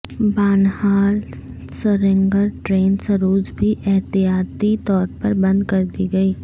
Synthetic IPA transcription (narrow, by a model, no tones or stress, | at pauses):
baːnhaːl | səɾɪ̃ŋɡəɾʈɾeːnsəɾoːd͡ʒbʱiʔɛɦt̪ijaːt̪it̪ɔːɾpɐɾbɐ̃nd̪kɐɾd̪iɡɐiː